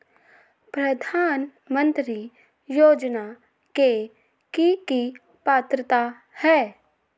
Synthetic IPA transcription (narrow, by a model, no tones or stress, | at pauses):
pɾɐd̪ʱaːn | mə̃nt̪ɾi | joːd͡ʒna | ke | kiki | paːt̪ɾət̪a | hɛː